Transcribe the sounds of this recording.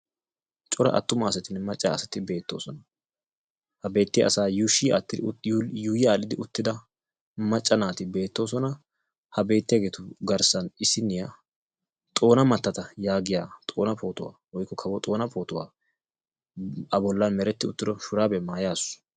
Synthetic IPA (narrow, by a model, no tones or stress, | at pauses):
t͡ʃʼɔɾɐ̰ʔɐ̰t̪ːʊmɐːsɛt̪ɪnɛmɐt͡ʃʼːaɐsɐt̪ɪbe̞ːt̪ːo̞̰ːsɔnɐ | hɐbe̞ːt̪ːɪj̰ʔɐ̰saːjuʃiat̪ːɪjuːjɪaːlɪd̪ɪʊt̪ːɪd̪ɐ | mɐt͡ʃʼːɐnaːt̪ɪbe̞ːt̪ːo̞ːsɔnɐ | hɐbe̞ːt̪ːɪjɐɡeːt̪ʊɡɐɾsɐnɪsːɪnːɪja | t̪ʼo̞ːnɐmɐt̪ːɐt̪ɐjaːɡɪjaːt̪ʼo̞ːnɐpo̞ːt̪ʊwa̰ːwɔjkːɔkʰɐbɔt̪ʼo̞ːnɐpʰo̞ːt̪ʊwa̰ː | ɐbɔlːɐnmɛɾɛt̪ːɪʊt̪ːɪd̪ɔʃʊɾaːbɛmaːjaːsʊ̥